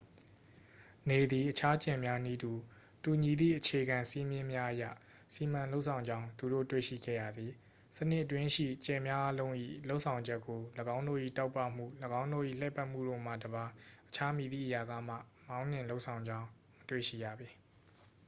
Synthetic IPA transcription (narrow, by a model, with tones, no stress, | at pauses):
ne˨d̪i˨ʔət͡ɕʰa˦t͡ɕɛ̃˨mja˦ni˦du˨ | tu˨ɲi˨d̪ðḭ˦˨ʔət͡ɕʰe˨ɡã˨si˦mjɪ̃˦mja˦ʔəjä̰˦˨ | si˨m̥ã˨lo˦ʊʔsʰã˨ʊ̃ɲd͡ʑã˦ʊ̃nt̪u˨do̰˦˨twḛ˦˨ʃḭ˦˨ɡɛ̰˦˨ja˦˨d̪ði˨ | sənɪ˦ʔət̬wɪ̃˦ʔʃḭ˦˨t͡ɕɛ̃˨mja˦ʔa˦lõ˦ʊ̃ʔḭ˦˨lo˦ʊʔsʰã˨ʊ̃ɲd͡ʑɛ˦kːo˨ləɡã˦ʊ̃ndo̰˦˨ʔḭ˦˨ta˦ʊpːa̰˦˨m̥ṵ˦˨ləɡã˦ʊ̃ndo̰˦˨ʔḭ˦˨lɛ˦˨pa˦ʔm̥ṵ˦˨ɾo̰˦˨m̥ä̰˦˨dəba˨ʔət͡ɕʰa˦mi˨ðḭ˦˨ʔja˨ɡa̰˦˨m̥ä̰˦˨ | mã˦ʊ̃n̥ɪ̃˨lo˦ʔsʰã˨ʊ̃ɲd͡ʑã˦ʊ̃ | mətwḛ˦˨ʃḭ˦˨ja̰˦˨bi˨